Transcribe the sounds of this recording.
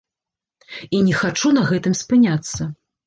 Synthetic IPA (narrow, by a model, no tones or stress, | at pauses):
inʲɛxat͡ʂunɐɣɛt̪ɨmspɨnʲat̪sːɐ